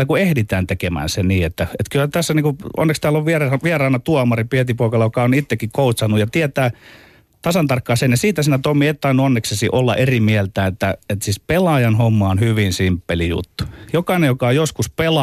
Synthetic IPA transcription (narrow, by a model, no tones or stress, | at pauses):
lːækuehdit̪æːnt̪ekemæ̰ːnseniːet̪ːæet̪kylæt̪æsːæniːŋkuo̰nːekst̪æːlːoʋʋierɑɑʋierɑˑinɑt̪uɑmɑripiet̪ipoikɑlːɑjokɑonit̪ːekːikout̪sɑnːujɑt̪iet̪æː | t̪ɑsɑnt̪ɑrkːɑːsenjɑsiːt̪æsiːnæt̪omːiet̪ːɑinuonːeksesḭʔolːɑ̰ʔerimielt̪æːet̪ːæet̪siːspelɑjɑnhomːɑonhyʋinsimpːelijṵt̪ːu̥jokɑˑnejjokɑjoskuspelɑ